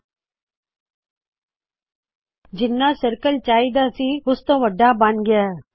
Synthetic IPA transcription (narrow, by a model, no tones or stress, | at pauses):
d͡ʒɪnːaːsəɾkəlt͡ʃaːid̪aːsĩːɦʊst̪õːʋəɖːaːbãnɡɪjaː